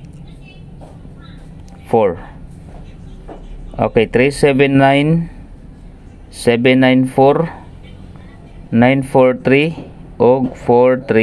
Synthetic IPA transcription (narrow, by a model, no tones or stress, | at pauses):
foɹ | o̰ket̪ɾisɛbɛnːajn | sɛbɛ̃nːajnfoɾ | najnfoɾt̪ɾioɡfoɹt̪ɾi